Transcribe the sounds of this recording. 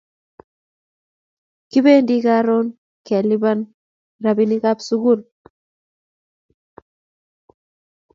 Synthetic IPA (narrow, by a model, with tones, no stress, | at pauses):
ki˦be˦ndi˦ka˦ɾo˦n | kɛ˨li˦ba˦n | ɾa˨bi˦ni˦ka˦psu˦ɡu˦˨l